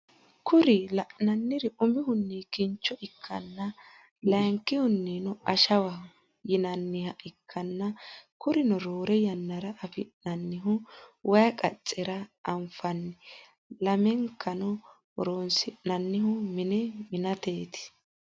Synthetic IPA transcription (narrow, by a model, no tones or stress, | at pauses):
kʊɾɪlɐʔnɐnːɪɾɪʊmɪhʊnːikɪnt͡ʃːɔʔɪkʰːɐ̰nːɐ | lɐŋkːɪhʊnːinɔɐʃɐwɐ | jɪnɐnːɪhɐʔɪkʰːɐnːɐkʊɾɪnɔɾoːɾɛjɐnːɐɾɐʔːfɪʔnɐnːɪɦʊwʔɐjɐkʼɐ̰t͡sʼːɛɾɐɐmfɐnːɪ | lɐmɛŋkːɐnɔ | ɾoːnsɪnɐnːɪhʊmɪnɛmɪnɐt̪e̞ːt̪ɪ̥